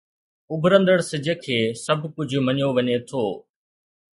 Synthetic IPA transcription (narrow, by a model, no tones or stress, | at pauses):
ʊbʱɾə̃nd̪əɽsɪd͡ʑʱəkʰeːsɐbʱkʊd͡ʑʱmɐɲjoʋɐɲet̪ʰoː